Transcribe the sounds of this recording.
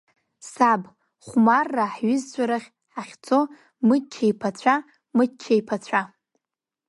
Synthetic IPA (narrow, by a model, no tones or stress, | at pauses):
sab | χʷmarːaħɥɪzt͡ɕʷʰʼaɾaχʲ | ħaχʲt͡sʰʼo̞ | mɨt͡ʃʰajpʰat͡ɕʷʰa | mɨdt͡ʃʲʰːajpʰat͡sʷʰa